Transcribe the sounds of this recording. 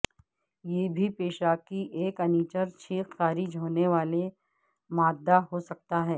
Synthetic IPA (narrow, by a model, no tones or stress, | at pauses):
jeːbʱipeːʃaːkiʔeːkɐniːt͡ʃəɾt͡ʃʰiːksaːɾid͡ʒɦoːneʋaːle | maːd̪ːaɦosɐk̚t̪aɦɛː